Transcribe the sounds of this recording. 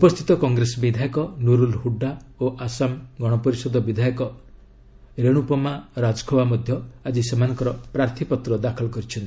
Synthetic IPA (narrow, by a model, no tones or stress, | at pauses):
upɔst̪ʰit̪ɔkɔŋɡɾesɔbid̪ʱajɔkɔnuɾulɦuɖːaoʔasamɡɔɽ̃ɔpɔɾisɔd̪ɔbid̪ʱajɔkɔ | ɾeɽ̃upɔmaɾad͡ʒkʰobamɔd̪ʱjɔad͡ʒisemanɔŋkɔɾɔpɾaɾt̪ʰipɔt̪ɾɔd̪akʰɔlɔkɔɾit͡ʃʰɔnt̪i̥